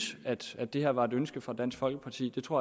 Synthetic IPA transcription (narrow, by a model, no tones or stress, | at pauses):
sæd̥æd̥e̝heɐʋɑ̈e̝dønsɡ̥əfʁɑ̈d̥æn̰sɡ̥fɒ̽lɡ̥əpʰɑ̈t͡sʰḭːd̥e̝t͡sʰʁo̝ɐ̰